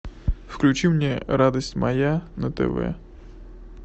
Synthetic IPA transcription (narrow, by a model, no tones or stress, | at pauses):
fklʲʉt͡ɕimnʲɛɾad̪əsʲtʲmɐjanət̪ɛ̰vɛ̰